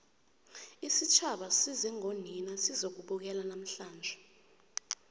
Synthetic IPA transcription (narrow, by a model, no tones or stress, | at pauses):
isit͡ʃʰaɓasizɛŋoninasizok̬uɓuk̬ɛlanam̩ɬaːnd͡ʒʱɛ